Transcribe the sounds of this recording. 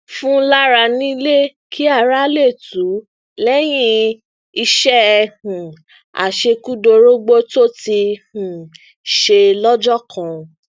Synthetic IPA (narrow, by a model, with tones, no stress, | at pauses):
fũ˦la˦ɾa˧nĩ˦i˦le˦kʰi˦a˦˨ɾa˦le˦˨tu˨˦ | lɛ˦j̃ĩ˦ | i˧ʃɛ˦˨hũ˨ | a̰˨ʃe˧ku˦do˧ɾo˦ɡ͡bo˦to˦ti˧hũ˨ | ʃe˧lɔ˦d͡ʒɔ˦˨kʰã˧˨